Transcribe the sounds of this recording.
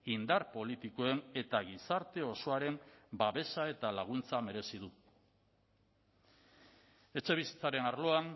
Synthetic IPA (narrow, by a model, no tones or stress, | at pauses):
ind̪aɾpo̞lit̪iko̞e̞ne̞t̪aɣisaɾt̪e̞o̞so̞aɾe̞mbaβe̞sae̞t̪alaɣ̞unt͡same̞ɾe̞siðu | e̞t͡ʃe̞β̞isi̥t͡saɾe̞naɾlo̞an